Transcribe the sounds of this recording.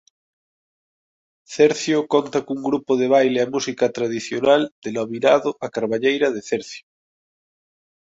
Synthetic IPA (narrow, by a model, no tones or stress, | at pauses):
θeɾθjokont̪akuŋɡɾupoðeβ̞ajleamusikat̪ɾaðiθjonald̪̥eloβinaðoʔakaɾβaʎejɾað̞eθeɾθjo̥